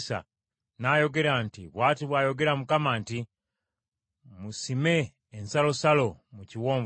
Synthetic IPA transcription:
sa̰ | najo̞ɡe̞ɾantiβwaːtiβwajo̞ɡe̞ɾamukamaːnti | musime̞ː | nsalo̞salo̞muciwoːɱv

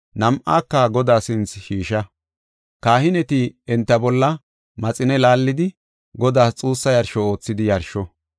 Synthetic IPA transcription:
nɐmʔaːkːɐɡɔd̪aːsɪnt͡sʃiːʃɐ | kaːhɪnɛt̪ɪɛnt̪ːɐbɔlːɐ | mɐt͡sʼɪnɛlaːlːɪd̪ɪ | ɡɔd̪aːst͡sʼuːsːɐjɐɾʃɔo̞ːt͡sːɪd̪ɪjɐɾʃɔ

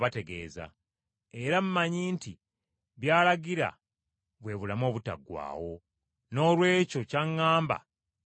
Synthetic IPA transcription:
βate̞ɡe̞̰ːza̰ | e̞ɾamumaɲiːnti | βjaːlaɡiɾa̰ | βwe̞ːβulamo̞ːβuta̰ɡwa̰ːwo̞ | no̞ːlwe̞ːco̞caŋːaːmba̰

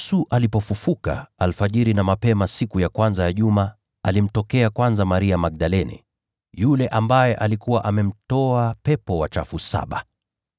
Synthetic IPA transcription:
suʔalipɔfufuka̰alfaʄiɾinamapɛmasikujakwanzajaʄuma | alim̩tɔkɛakwanzamaɾiamak̚ɗalɛnɛ̰ | julɛʔambajɛʔalikuwaʔamɛm̩tɔapɛpɔwat͡ʃa̰fusa̰ɓa̰

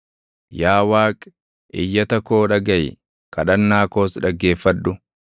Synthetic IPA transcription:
jaːwaːkʼ | ʔɪjːɐt̪ɐko̞ːᶑɐɡɐj | kɐᶑɐnːaːko̞ːsᶑɐɡːe̞ːfːɐᶑʊ

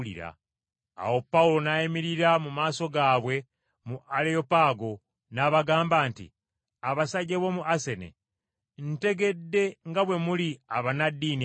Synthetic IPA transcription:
lḭɾa̰ː | wo̞pːaulo̞najemiɾiɾamumaːso̞ɡaːβwe̞ | muʔaleopaːɡo̞ | naβaɡaːmbaːntḭ | aβasaɟeβo̞muʔase̞nḛ | n̩te̞ɡe̞dːe̞ŋɡaβwe̞muliaβanadːiːni

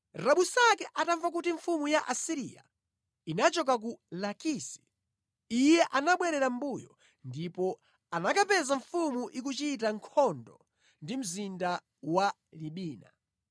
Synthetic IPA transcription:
ɾaɓusakɛʔataɱvak̬utiɱfumujaʔasiɾḭa̰ | inat͡ʃɔk̬ak̬ulakisi̥ | ijɛʔanaɓwɛɾɛɾam̩bujɔ | ndipɔ | anakapɛzaɱfumuʔik̬ut͡ʃit̬aŋkʰɔndɔ | ndim̩zinda | wa | liɓiːna̰

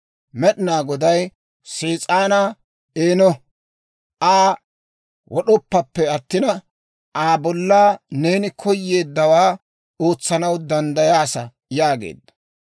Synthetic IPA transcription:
mɛɗɪnaːɡɔd̪ɐj | seːt͡sʼaːna | eːnɔ | ʔaː | wʔɔɗɔpːɐpːɛɐt̪ːɪnɐ | aːbɔlːaːne̞ːnɪkʰɔjːe̞ːd̪ːɐwaː | o̞ːt͡sːɐnɐwd̪ɐnd̪ɐjaːsɐ | jaːɡḛːd̪ːɐ̥

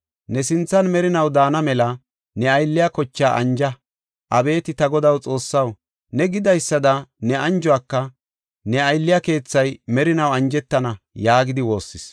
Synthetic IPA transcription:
nɛsɪnt͡sːɐnmɛɾɪnɐwd̪aːnɐmɛlɐ | nɛɐjlːɪjakɔt͡ʃːaːʔɐ̰nd͡ʒɐ | ʔɐbe̞ːt̪ɪt̪ɐɡɔd̪ɐwt͡sʼo̞ːsːɐw | nɛɡɪd̪ɐjsːɐd̪ɐnɛɐnd͡ʒɔaːkːɐ | nɛɐjlːɪjake̞ːt͡sːɐjmɛɾɪnɐwɐnd͡ʒɛt̪ːɐnɐ | jaːɡɪd̪ɪwo̞ːsːɪs

